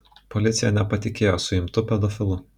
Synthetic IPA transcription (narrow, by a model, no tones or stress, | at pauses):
pɔlʲɪt̪sʲɪjɛnʲɛpɐt̪ʲɪkʲeːjoːsʊɪmt̪ʊpʲɛd̪ɔfʲɪlˠʊ